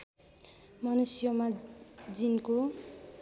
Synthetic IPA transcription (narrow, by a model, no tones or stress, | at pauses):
mʌnusjʌmad͡zinko